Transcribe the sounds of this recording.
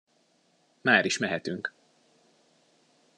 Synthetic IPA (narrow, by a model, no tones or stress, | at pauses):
maːɾiʃmɛɦɛt̪yŋk